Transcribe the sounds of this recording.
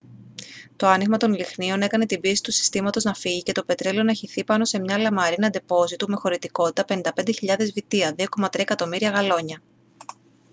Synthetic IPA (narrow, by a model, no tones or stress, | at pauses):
t̪o̞ɐniɣmɐt̪o̞nlixnio̞ne̞kɐne̞t̪ibiesi̥t̪usi̥st̪imɐt̪o̞znɐfiʝice̞t̪o̞pe̞t̪ɾelo̞nɐçiθipɐno̞se̞mɲɐlɐmɐɾinɐnd̪e̞po̞zit̪ume̞xo̞ɾit̪iko̞t̪it̪ɐpe̞nind̪ɐpe̞nd̪e̞çiʎɐðe̞zvit̪iɐðio̞ko̞mɐt̪ɾiɐekɐt̪o̞miɾiɐɣɐlo̞ɲɐ